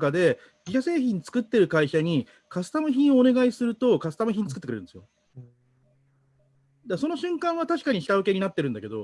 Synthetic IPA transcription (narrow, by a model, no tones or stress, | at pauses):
kad̪e̞ | ɡʲiɕase̞ːçĩɲ̟t͡sɨ̥kɯ̟t̪ːe̞ɾɯ̟kaiɕaɲ̟i | kasɨ̥t̪amɯ̟çʲĩɰ̃o̞ːne̞ɡaisɨɾɯ̟t̪o̞kasɨ̥amɯ̟çʲĩɲːit͡sɨ̥kɯ̟t̪ːeɯɾɾɯ̟ndesɨjo̰ | d̪aso̞no̞ɕɨ̃ŋkãɰ̃at̪aɕi̥kaɲ̟içi̥t̪aβɯ̟ke̞ɲ̟inat̪ːe̞ɾɯ̟̃nd̪ake̞d̪o̞̰